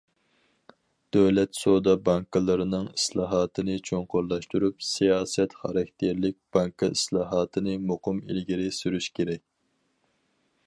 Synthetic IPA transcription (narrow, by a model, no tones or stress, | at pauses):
d̪̥øwlɛt̪sod̪ɑbɑŋkɨlˠɨɾɨnɨŋislˠɑːɦɑːt̪ʰɨnɨt͡ʃʰoŋqʊɾlˠɑʃt̪uɾupsijɑːsɛt̪χɑɾɑk̚ʲt̪ʰeɾlɪk̚ʲb̥ɑŋkɨislˠɑːɦɑːt̪ʰɨnɨmoqʊmḭlɡʲiɾɪsyɾyʃkʲʰeɾɛkʲ